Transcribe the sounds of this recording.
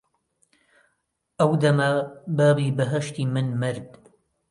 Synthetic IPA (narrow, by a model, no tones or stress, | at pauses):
ʔɐwd̪ɐmɐbaːbiːbɐɦɐʃt̪iːmɨnmɨɾd̪